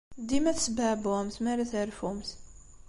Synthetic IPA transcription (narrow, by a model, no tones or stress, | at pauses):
d̪imæθsbəʕbumθmæɾæθəɾfumθ